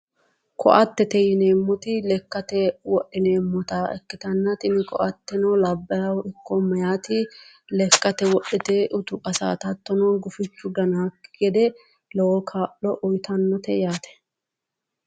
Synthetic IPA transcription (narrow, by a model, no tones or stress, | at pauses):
kʰɔ̰ʔɐt̪ːɛt̪ɛjɪneːmːɔt̪ɪlɛkːɐt̪ɛwɔʔːɪne̞ːmːɔt̪aːɛkːɪt̪ɐnːɐt̪ʼɪnɪkɔ̰ʔɐt̪ːɛnɔːlɐbːɐjɐwɪkːɔmɐjaːt̪ɪlɛkːɐt̪ɛwɔʔːɛt̪eʔʊt̪ʊʔɐsa̰ːt̪ɐt̪ːɔnɔnɡʊfɪt͡ʃːʊɡɐnaːkɡɛd̪ɛ | lɔwɔkʰaːʔɔʔʊjt̪ɐnːɔt̪ɛjaːt̪ɛ̥